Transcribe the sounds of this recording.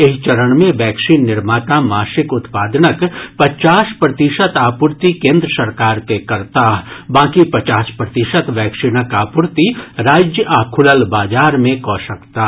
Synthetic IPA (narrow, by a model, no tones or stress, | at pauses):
ɪɦt͡ʃɐɾəɽmẽʋɛːksiːnːɪɾmaːt̪amaːʃɪkʊt̪paːd̪nəkpɐt͡ʃaːʃpɾɐt̪ɪʃət̪aːpʊɾt̪ikẽːnd̪ɾəsɐɾkaːɾkekɐɾt̪aːbãːkipɐt͡ʃaːspɾɐt̪ɪʃət̪ʋɛːkʃinəkaːpʊɾt̪iɾaːd͡ʒjəʔaːkʰʊləlbaːd͡ʒaːɾmẽkɔ̃ːʃɐkt̪a